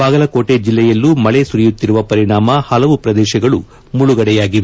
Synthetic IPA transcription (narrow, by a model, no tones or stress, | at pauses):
baːɡɐlɐko̞ːʈed͡ʒilːɛjɐlːumɐɭesuɾijut̪ːiɾuʋɐpɐɾiɳaːmɐhɐlɐʋupɾɐd̪ɛːʃɐɡɐɭu | muɭuɡɐɽɛjaːɡiʋe